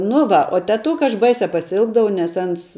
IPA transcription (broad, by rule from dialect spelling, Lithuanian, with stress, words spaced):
nʊ ˈʋɐ oː tʲɛˈtʊkɐ ɐʃ ˈbɐɪsʲɛ pɐsʲɪˈɪlˠɡdɐʋɐʊ nʲɛs ˈɐns